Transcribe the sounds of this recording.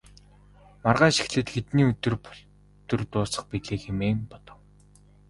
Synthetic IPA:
marʁaːʃi̥xɮɘ̆t̪ɡet̪niːɵt̪ɵ̆rp | t̪ɵ̆rt̪ʊːsə̥̆χpiɮeːxemeːŋpɔt̪ɞ̆w

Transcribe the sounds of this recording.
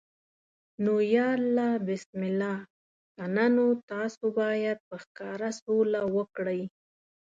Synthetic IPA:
nojɑlːabɪsmɪla | ananot̪ɑsobɑjad̪̚pəxkɑɾasolawəkɽəj

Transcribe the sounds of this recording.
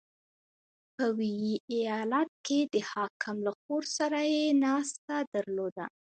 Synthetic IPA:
pəwijiʔijɑlat̪̚ked̪əhɑkʰɪmlaxoɾsaɾajenɑst̪ad̪aɾlod̪a̰

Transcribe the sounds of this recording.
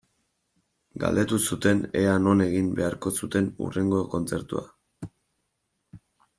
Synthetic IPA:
ɡa̰ld̪e̞t̪usut̪e̞ne̞ano̞ne̞ɣimbe̞aɾko̞sut̪e̞nṵre̞ŋɡo̞ko̞nt͡se̞ɾt̪ua̰

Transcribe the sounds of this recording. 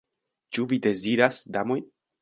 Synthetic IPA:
t͡ʃuvide̞ziɾasdamo̞jn

